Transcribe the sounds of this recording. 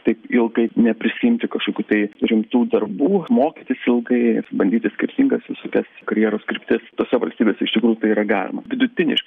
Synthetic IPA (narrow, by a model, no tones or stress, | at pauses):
t̪ɐɪpɪlˠɡɐɪnʲɛpʲɾʲɪsʲɪjɪmʲt̪ʲɪkɐʃkoːkʲuːt̪ɐɪɾʲɪmt̪uːd̪ɐrbuːmoːkʲit̪ʲɪsɪlˠɡɐɪbɐnd̪ʲiːt̪ʲɪsʲkʲɪrʲt̪ʲɪŋɡɐsʋʲɪsoːkʲɛskɐɾʲjiːɾoːskɾʲɪpʲt̪ʲɪst̪oːsʲɛʋɐlʲsʲt̪ʲiːbʲeːsʲɛɪʃt̪ʲɪkɾuːjuʊt̪ɐɪiːɾɐɡɑːlʲɪ̰mɐ̰ʋʲɪd̪ʊt̪ʲɪnʲɪ̰ʃkɪ